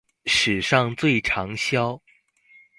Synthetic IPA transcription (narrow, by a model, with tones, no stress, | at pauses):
ʂɻ̩˨˩ʂɑ˥˧ŋt͡swe˥˩ɪʈ͡ʂʰɑ˧˥ŋɕjɑ˥ʊ